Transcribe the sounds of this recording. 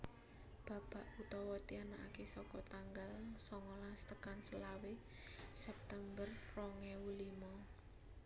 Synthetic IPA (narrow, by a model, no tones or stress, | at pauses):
b̥a̤b̥a̤ʔut̪ɔwɔt̪ianaʔakesɔkɔt̪aŋɡalsɔŋɔlast̪əkansəlawe | sɛp̚t̪ɛmbərːɔŋɛwulimɔ